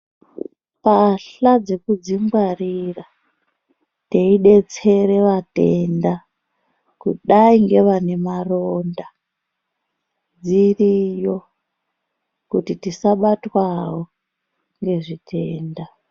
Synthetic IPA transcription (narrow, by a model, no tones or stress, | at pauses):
paɬad͡ze̞kud͡zimɡwarira | teiɗe̞t͡se̞ɾe̞ʋate̞nda | kṵɗaiŋɡe̞ʋane̞maronda | d͡zirijo | kutitisaɓatwawo | ŋɡe̞ʐitʰe̞ːnda